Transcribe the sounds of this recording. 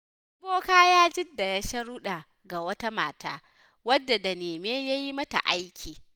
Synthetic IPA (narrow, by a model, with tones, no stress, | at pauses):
ʊ˦boː˦kaː˦jaː˦d͡ʒɪ˦dːa˨ja˦ʃɐ˦ɽʊ˦ɗa˨ | ɡa˨wɐ˦ta˦ma̰ː˨ta̰ː˦ | wɐ˦dːa˨da˨neː˨meː˦ja˦ji˦mɐ˦ta̰˨ʔa˦jkʲʰiː˨